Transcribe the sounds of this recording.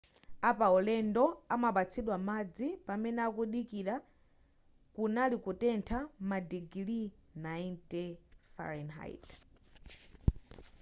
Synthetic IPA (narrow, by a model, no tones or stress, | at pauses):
apaɔlɛndɔamaɓat͡sʰiɗwamad͡zipamɛnɛakuɗikiɾa | kunalikutɛntʰamadiɡlinaintɛfa̰ɾɛnɦa̰jḭt